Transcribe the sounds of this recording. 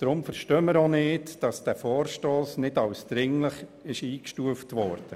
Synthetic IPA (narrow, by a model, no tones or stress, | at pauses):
d̥ɾʊmfəɾʃtœːməɾonɪːtd̥ɑsd̥æfɔːɾʃtoːsnɪdɑwsd̥̪ɾɪŋləχɪʃiːkʃtuəftʋɔːɾd̥ə